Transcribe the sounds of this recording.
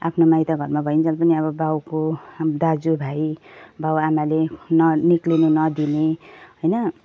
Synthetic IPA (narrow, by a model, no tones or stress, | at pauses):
apʰnomajt̪aɡʱʌrmabʱʌint͡sʌlpʌniʌβʌbawkod̪ad͡zubʱajbawamalenʌniklinunʌd̪ineɦojnʌ